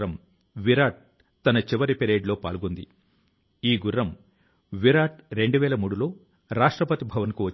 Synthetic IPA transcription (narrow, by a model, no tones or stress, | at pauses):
ɐm | ʋiɾaːʈ̚ | t̪ɐnɐt͡ʃiʋɐɾipeɾe̞ːɖlo̞ːpa̰ːlɡund̪ḭ | iːɡurːɐm | ʋiɾaːʈɾe̞ɳɖuʋɛːɭɐmuːɽulo̞ː | ɾaːʂʈɾɐpɐt̪ibʱɐʋɐnkuʋɐ